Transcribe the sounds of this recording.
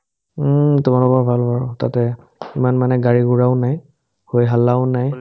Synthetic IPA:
m̩tʊmalɔkabʱalbʱaɹɔtatɛ | imanmanɛɡaɹiɡuɹaʊnaj | hojɦalːaʊnaj

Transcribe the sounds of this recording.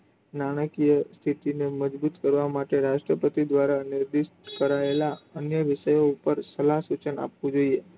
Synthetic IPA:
naɽ̃əkijəst̪ʰit̪ineməd͡ʒbut̪kəɾʋamaʈeɾaʃʈɾəpət̪id̪ʋaɾanɪɾd̪iʃ | kəɾaelaənjəʋɪʃəjoupəɾsəlaɦsut͡ʃəna̰pʋũd͡ʒoie

